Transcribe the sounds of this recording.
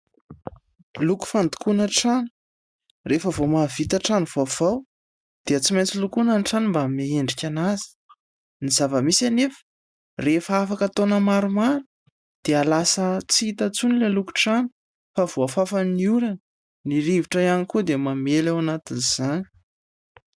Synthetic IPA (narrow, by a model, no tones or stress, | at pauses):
luku̥fand̪u̥kunaʈ͡ʂanu̥ | refəvomavit̪aʈ͡ʂaniv̥ov̥aw | d̪̥eət͡simajnt͡silukunanʈ͡ʂanimbameeɳɖ͡ʐikʲanazi̥ | nizavəmisanefə̥ | refəafakat̪onəmaɾumaɾu̥ | d̪̥ealasət͡siit̪at͡sunileluku̥ʈ͡ʂanu | fav̥oafafaniuɾən | niɾiviʈ͡ʂəjanikud̪emamelawanat̪iniz̥ani̥